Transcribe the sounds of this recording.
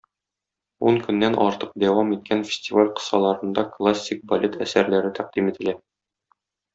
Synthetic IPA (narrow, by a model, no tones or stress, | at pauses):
uŋkɵ̆nːænʔɒɾt̪ɤq̚d̪æwɑmit̪̚kʰænfʲɪ̥sʲtʲivalʲqɤ̥̆sɑlˠɑɾɤ̆nd̪ɑklˠasʲːik̚bɐlʲet̪æ̰sæɾlæɾɘt̪ʰæq̚d̪imit̪ɘ̆læ